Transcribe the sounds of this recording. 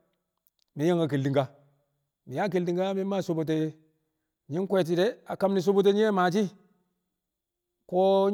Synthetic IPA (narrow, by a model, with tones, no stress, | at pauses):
mi˨˦ja˦ŋɡa˨k̬e˨ldi˨ŋɡa˦ | mi˨ja˦k̬e˨ldi˨ŋɡa˦mi˦ma˦˨so˨bo˨t̬e˨˦ | ɲi˦ŋ˦kwe˦˨t̬i˨de˦a˨ka˦mni˨s̬o˦bo˦t̬e˦ɲi˦e˦ma˨t͡ʃ̬i˦ | ko˦